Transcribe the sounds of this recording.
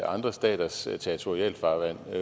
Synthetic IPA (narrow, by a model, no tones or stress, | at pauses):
ʔɑ̈nd̥ʁɐsd̥ɛ̰ːd̥ɐst͡sʰeit͡sʰo̝ʁiɛ̰lfɑ̈ːʋæn̰